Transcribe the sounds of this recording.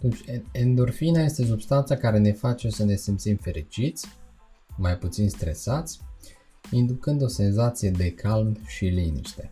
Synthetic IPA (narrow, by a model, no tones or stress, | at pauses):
at̪unt͡ʃʲend̪urfinaje̞st̪e̞s̬ubst̪ant̪sakaɾe̞ne̞fat͡ʃesəne̞simpt̪simfe̞ɾit͡ʃit̪sʲ | majput̪sinst̪ɾe̞sat̪sʲ | ind̪ukɨnd̪o̞se̞nzat̪sije̞d̪e̞kʰalmʃilinḭʃt̪e̞